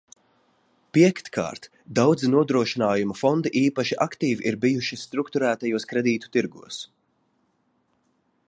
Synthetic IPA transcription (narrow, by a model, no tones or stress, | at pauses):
piɛkt̪kʰa̰ːɾt̪ | d̪awd̪zinuɔd̪ɾuɔʃinaːjumafɔnd̪iʔiːpaʃiʔakt̪iːviʔiɾbijuʃist̪ɾukt̪uɾæːt̪ajuɔskɾɛd̪iːt̪u̥t̪iɾɡṵɔs